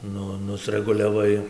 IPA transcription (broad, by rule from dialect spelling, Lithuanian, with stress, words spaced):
ˈnʊ nʊsʲrʲɛɡʊlʲɛˈʋɐɪ